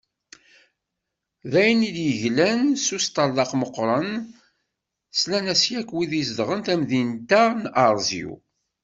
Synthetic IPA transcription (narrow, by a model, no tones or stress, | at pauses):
ðæjnid̪jəʝlænsust̪ɑlːɑqməqːɾˤən | slænæsjækːwiðisd̪ʁənt̪æmðint̪ænɑɾˤzḭṵ